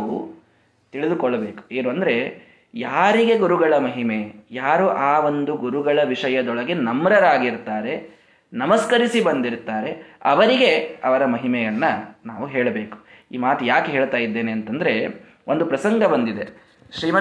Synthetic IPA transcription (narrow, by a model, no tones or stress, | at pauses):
u | t̪iɭid̪ukɔɭːɐbe̞ːku̥eːnuɐnd̪ɐɾe̞ | jaːɾiɡe̞ɡuɾuɡɐɭɐmɐɦime̞jaːɾuʔaːʋo̞nd̪uɡuɾuɡɐɭɐʋiʂɐjɐd̪ɔɭɐɡenɐmɾɐɾaːɡiɾt̪aːɾe̞ | nɐmɐskɐɾisibɐnd̪iɾt̪aːɾe̞ɐʋɐɾiɡe̞ɐʋɐɾɐmɐɦimɛjɐnːɐnaːʋuɦeːɭɐbe̞ːku̥ | ḭːmaːt̪ujaːkɦeːɭt̪aːjid̪ːe̞ːneːnt̪ɐnd̪ɐɾe̞ | ʔond̪upɾɐsɐŋɡɐbɐnd̪id̪e̞ | ʃɾiːmɐ